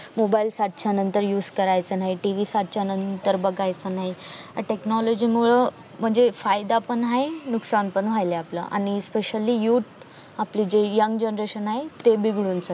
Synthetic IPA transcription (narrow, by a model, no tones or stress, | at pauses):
mobailsat̪̚t͡ɕanənt̪əɾjuːd͡zkəɾajt͡sənaɦiʈiʋisat̪̚t͡ɕanənt̪əɾbəɡajt͡sənaɦia̰ʈeknɔlod͡ʑiːmuɭə | m̤əɳd͡zefajd̪apəɳɦaɦenuksanpəɳʋ̤ajleapla̰ʔa̰ɽ̃ispeɕəlijuːʈ | aplid͡ʑejəŋɡd͡ʑənɾeɕənaɦet̪ebiɡɽuːnt͡sə